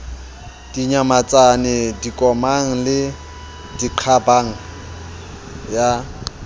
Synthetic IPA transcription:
d̥iɲamat͡sʼanɛdikʼɔmaŋ̩lɪ | diǃʰabaŋ̩ | ja

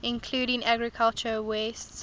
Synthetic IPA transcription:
ɪ̃nkʰl̥uːɾɪ̃ŋaɡɹɪkʰalt͡ʃəwests

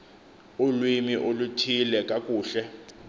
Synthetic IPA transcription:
ulwimiʔolutʰilɛkʼakʼuːɬɛ

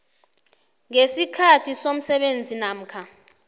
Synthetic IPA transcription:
ŋesikʰatʰisom̩sɛɓend͡zʱinam̩kʰa

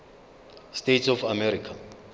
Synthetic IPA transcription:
stetʰsɔfamɛɾikʰa

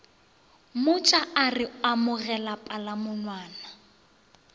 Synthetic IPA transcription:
mʊt͡ʃʼaarɪamʊɣɛlapʼalamʊnwaːna

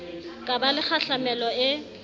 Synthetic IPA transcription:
kʼabalɪk͡xaɬamɛlɔɪ

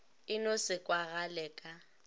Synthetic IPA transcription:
ɪnosɪkʼwaɣalɛːkʼa

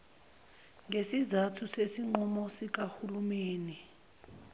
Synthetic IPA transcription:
ŋʱesizatʰusesiŋ͡ǃɔmɔsik̬ʼahulumeːni

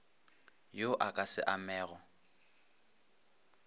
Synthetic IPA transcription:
joʔakʼasɪʔamɛːɣɔ

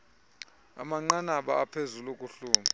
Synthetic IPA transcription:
a̰maŋ͡ǀanaɓaːpʰezulokʼuɬuːmʱi

